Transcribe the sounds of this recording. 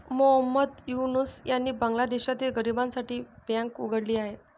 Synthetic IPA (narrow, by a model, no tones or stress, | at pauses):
moɦəmːəd̪junusjanːiːbəŋɡlad̪eɕat̪iːlɡəɾibãnsaʈiːbãŋkuɡʱəɽliːaɦe